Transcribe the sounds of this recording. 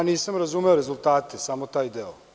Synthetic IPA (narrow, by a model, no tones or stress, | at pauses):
niːsamɾazume̞oɾezult̪aːt̪esamot̪aːjd̪eo